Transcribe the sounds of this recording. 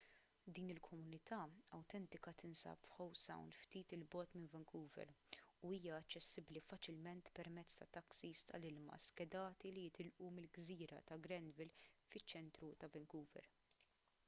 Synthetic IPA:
d̪iːnɪlkʰɔmʊnɪt̪ʰɐɐwt̪ɛnt̪ɪkɐt̪ɪnsɐ̰ːpfħɔwsɐ̰wnd̪ft̪iːt̪ɪlbɔːt̪mɪnvɛŋkʰuːvɛ̰ɾuiːjɐɐt͡ʃːɛsːɪblifɐt͡ʃɪlmɛnt̪pɛɾmɛt͡sːt̪ɐt̪ɐksist̪ɐ̰lɪlmɐ̰skɛd̪ɐːt̪ilijɪt̪ɪlʔumɪlɡziːɾɐ̰t̪ɐɡɾɛnvɪlfɪt͡ʃːɛnt̪ɾut̪ɐvɛŋkuːvɛ̰ɾ

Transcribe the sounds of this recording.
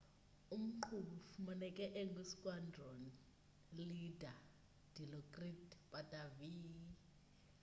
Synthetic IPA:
um̩ǃʰufumanɛkʼɛʔɛŋɡʱwisi̥kʼwandʱɔni | lidʱa | d̥ʱilɔkʼritpʼatʼavi

